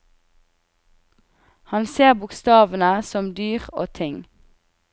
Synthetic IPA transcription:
hɑnseːʁbʊkst̪ɑːʋənəsɔmd̪yːʁo̰ːt̪ʰɪŋ

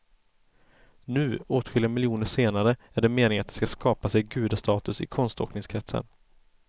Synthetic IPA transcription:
nʉ̟ːoːt̪ɧʏlɪamɪljuːnəʂeːnaɾəæɖɛmeːnɪŋat̪̚d̪ɛskaskɑːpasɛjɡʉ̟ːd̪ast̪ɑːt̪ɵsɪ̰kʰɔnst̪o̰ːknɪŋskʰɾɛt̪sə̰n

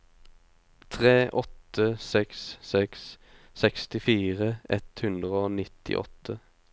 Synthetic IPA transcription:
t̪ʰʁeːʔɔt̪əsɛksːɛks | sɛkst̪ɪfiːʁəʔɛt̪hʉnd̪ʁəoːnɪt̪ʰɪ̰ʔɔ̰t̪ʰːə

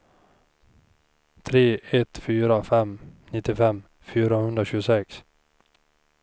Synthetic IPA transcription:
t̪ʰɾeːɛt̪fyːɾafɛmnɪt̪ːɪfɛmː | fyːɾahɵnd̪ɾaɕʉːɡʊsɛks

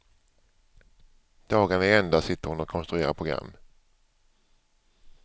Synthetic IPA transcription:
d̪̥ɑːɡanɛɛnd̪asɪt̪ːəɾhʊnɔkʰɔnst̪ɾɵeːɾapʰʊɡɾa̰mː

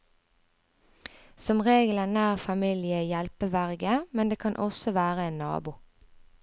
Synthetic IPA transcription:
sɔmʁeːɡlənæːʁfɑmilɪəjɛlpəʋæʁɡəmɛnd̪eːkʰɑnʔɔsɔʋæːʁəeːnnɑ̰ːbuː

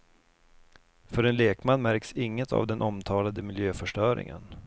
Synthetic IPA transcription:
fœɾɛnleːkmanːmæɾksɪŋːət̪ʰa̰vd̪ɛnʔɔmt̪ʰɑːlad̪əmɪljøːfœʂʈœːɾɪ̰ŋə̰n

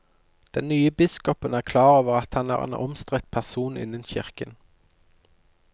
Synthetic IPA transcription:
d̪̥ɛnnyːəbɪskɔpənæːʁkʰlɑːʁoːʋəʁɑt̪hɑnæ̰ːʁḛːnʔɔ̰mst̪ʁɛt̪̚pʰæʁsuːnɪ̰nənçɪʁkən

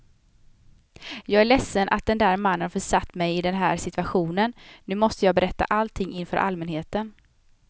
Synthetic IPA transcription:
jɑːɡæɭɛsːənʔa̰t̪̚d̪ɛnd̪æːɾmanːənfœʂat̪ːmɛjɪd̪ɛnɦæːɾʂɪt̪vaɧuːnənnʉ̟ːmɔst̪əjɑːɡbɛɾɛt̪ːa̰ʔalt̪ʰɪŋːɪnfœːɾʔa̰lmɛnheːt̪ən

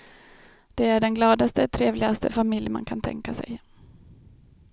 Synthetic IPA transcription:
d̪̥ɛæɖɛnɡlɑːd̪ast̪ət̪ʰɾeːvlɪɡast̪əfamɪljma̰nkʰant̪ʰɛ̰ŋkasɛ̰j

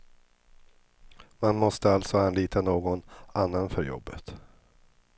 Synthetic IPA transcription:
manmɔst̪əalt̪sɔanliːt̪ʰanoːɡɔnanːanfœɾjɔ̰bːə̰t̪

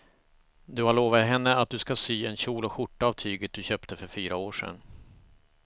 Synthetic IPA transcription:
d̪ɵhaɭoːvat̪ɦɛnːəat̪̚d̪ɵskasyːɛnɕuːlɔɧʊʈːaːvt̪ʰyːɡət̪̚d̪ɵɕœːpt̪əfœɾfyːɾaoːʂɛ̰nː

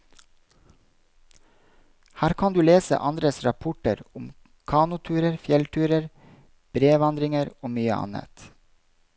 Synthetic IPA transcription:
hæːɾkʰɑnd̪ʉːleːsə̰ʔɑnd̪ɾəsɾɑpʰʊʈəɾʊm | kʰɑːnʊt̪ʰʉːɾəɾfjɛlt̪ʰʉːɾəɾ | b̥ɾeːʋɑnd̪ɾɪŋəɾoːmyːə̰ʔɑ̰nə̰t̪

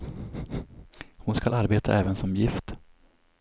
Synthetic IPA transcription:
hʊnskalʔaɾbeːt̪ʰa̰ʔɛːvənsɔmjɪft̪

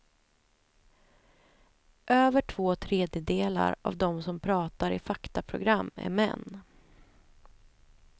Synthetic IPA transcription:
ʔøːvəʈʰv̥oːt̪ʰɾeːd̪jəd̪eːla̰ɾa̰vd̪ɔmsɔmpʰɾɑːt̪aɾɪfakt̪apʰɾʊ̰ɡɾamːæ̰ɾmɛ̰nː

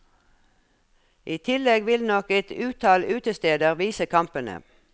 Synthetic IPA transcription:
ʔiːt̪ʰɪlɛɡʋɪlnɔkɛt̪ʉːt̪ʰɑːlʉːt̪əst̪eːd̪əʁʋiːsəkʰɑmpənə̰

